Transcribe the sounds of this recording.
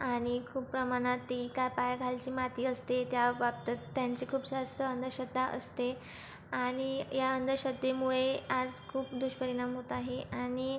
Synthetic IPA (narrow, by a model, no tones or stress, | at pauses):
aɽ̃ikʰuːppːɾəmaɽ̃at̪ːikapajaɡʱalt͡ɕiːmat̪iːəst̪et̪jaʋap̚t̪at̪ːjaɲt͡ɕiːkʰuːbsast̪əənd̪əɾɕəd̪ʱːaʔə̰st̪e | aɽ̃ijaənd̪əɾɕəd̪ʱːemuɭead͡zkʰuːpd̪uɕpəɾiɽamɦot̪aɦeaɽ̃i